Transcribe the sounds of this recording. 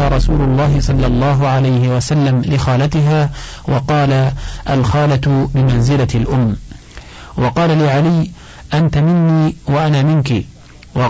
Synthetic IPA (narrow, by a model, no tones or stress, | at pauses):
aːɾˤɑsuːlʊlˤːɑːɦɪsˤɑlːɑlˤːɑːɦʊʕalajhɪwasalːamlɪxaːlat̪ɪɦaː | wɑqɑːlaʔalxɑːlat̪bɪmanzɪlalʔʊmː | wɑqɑːlalɪʕalɪj | ʔant̪amɪnːiːwaʔanaːmɪnki | wɑ